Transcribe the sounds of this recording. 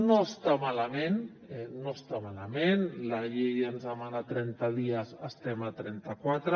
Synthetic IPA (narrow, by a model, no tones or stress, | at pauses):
nost̪amalamẽn | ɛnːost̪amalamenlaʎejənzðəmanat̪ɾɛnt̪aðiəzəst̪ɛmat̪ɾɛnt̪akwat̪ɾə